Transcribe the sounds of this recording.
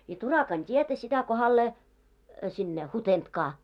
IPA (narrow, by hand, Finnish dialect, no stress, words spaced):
jɑ turɑkɑn tʲietæ sitæ kohɑlːeː sinːe hutentkɑː